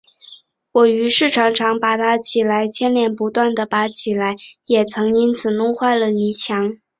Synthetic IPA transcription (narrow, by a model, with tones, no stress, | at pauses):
wɔ˨˩y˧˥ʂɻ̩˥˩ʈ͡ʂʰɑ˧˥ŋʈ͡ʂʰɑ˧˥ŋpa˨˩t̪ʰa˥t͡ɕʰi˨˩la˧˥ɪt͡ɕʰjɛ˥˧nljɛ˥˩npu˧˥t̪wa˥˩nd̪ə˩pa˧˥t͡ɕʰi˨˩la˧˥ɪjɛ˨˩t͡sʰɤ˧˥ŋi˥nt͡sʰɹ̩˨˩nʊ˥ŋxwa˥˩ɪlə˩ni˧˥t͡ɕʰjɑ˧˥ŋ